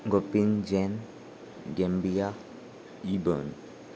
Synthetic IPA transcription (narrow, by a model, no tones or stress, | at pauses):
ŋɡopind͡ʒɛn | ɡɛmbia | ibɔ̰n